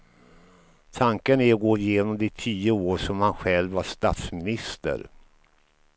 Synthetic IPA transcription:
t̪ʰaŋkənæɾɔɡoːjeːnɔmd̪ɛt̪ʰiːəoːʂɔmhanɧɛlvaʂt̪at̪smɪnɪst̪ə̰ɾ

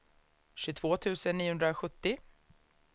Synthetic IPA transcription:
ɕɵt̪ʰv̥oːt̪ʰʉ̟ːsənːiːʊɵnd̪ɾaɧɵt̪ːɪ

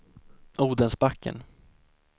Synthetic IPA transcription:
ʔuːd̪ənsbakːə̰n

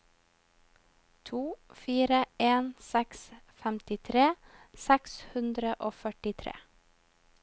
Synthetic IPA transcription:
t̪ʰuːfiːɾəeːnsɛksfɛmt̪ɪt̪ʰɾeːsɛkshʉnd̪ɾəʔoːfœʈɪt̪ʰɾḛː

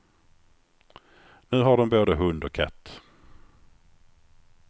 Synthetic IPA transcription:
nʉ̟ːɦaɖɔmboːd̪əɦɵnd̪ɔkʰɛ̰t̪ː

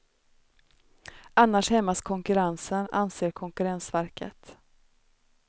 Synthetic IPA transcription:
anːaʂhɛmːaskʰɔŋkɵɾansəna̰nseːɾkʰɔŋkɵɾɛnsvæɾkə̰t̪

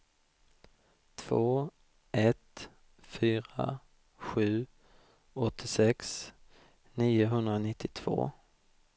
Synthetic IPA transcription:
t̪ʰv̥oː | ʔɛt̪ | fyːɾa̰ | ɧʉ̟ː | ɔt̪ʰːɪsɛks | niːʊɦɵnd̪ɾanɪt̪ʰːɪt̪ʰv̥o̰ː

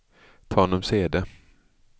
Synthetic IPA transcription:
t̪ʰɑːnɔmseːd̪ə

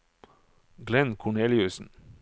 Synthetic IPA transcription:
ɡlɛnkʰʊɳeːljʉsn̩

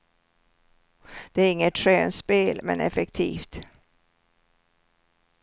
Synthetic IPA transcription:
d̪̥ɛæɾɪŋːət̪ʂøːnspeːlmɛ̰nɛ̰fɛkt̪ʰḭːft̪

